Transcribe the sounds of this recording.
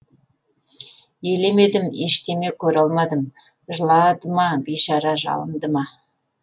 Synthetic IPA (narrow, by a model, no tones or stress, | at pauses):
jele̞me̞d̪ɪmeʃt̪e̞me̞kʲʰɵɾɑlˠmɑd̪əm | ʒəlˠɑd̪əmɑbejʃɑɾɑʒɑ̰lˠəmd̪əmɑ